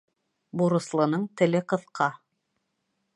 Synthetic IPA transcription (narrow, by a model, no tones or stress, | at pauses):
buɾɤ̆slˠɤ̆nɤɴt̪ɘ̆lɘqɤ̆θqʰɑ